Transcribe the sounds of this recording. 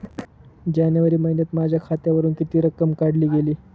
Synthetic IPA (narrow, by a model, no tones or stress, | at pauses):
d͡ʑanjəʋəɾiːməɦinjət̪mad͡ʑʱjakʰat̪jaʋəɾuːnkit̪iːɾəkəmkaɽliːɡeliː